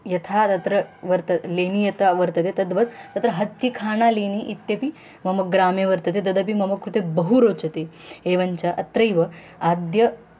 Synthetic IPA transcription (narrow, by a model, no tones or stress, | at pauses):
jɐt̪ʰat̪ɐt̪ɾəʋɐɾt̪əlenijɐt̪aʋɐɾt̪ət̪et̪ɐd̪ʋɐt̪t̪ɐt̪ɾəɦɐt̪ːikʰaːñaleniʔit̪jɐpi | mɐmɐk̚ɡɾamjeʋɐɾt̪ət̪ed̪ɐd̪əp̬imɐmɐkːɾut̪ebɐɦuɾot͡sɐt̪eeʋɐɲt͡ɕaʔɐ̰t̪ɾɐjʋə | ad̪jɐ